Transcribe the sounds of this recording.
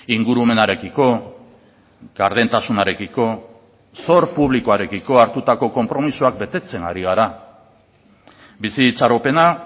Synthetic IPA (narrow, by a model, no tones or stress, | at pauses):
iŋɡuɾume̞naɾe̞kiko̞ | ɣ̥aɾðe̞nt̪asunaɾe̞kiko̞ | so̞ɾpuβ̞likoaɾe̞kiko̞aɾt̪ut̪ako̞ko̞mpɾo̞misuak̚be̞t̪e̞t͡se̞ŋɡa̰ɾiɣ̞aɾa | bisit͡ʃaɾope̞na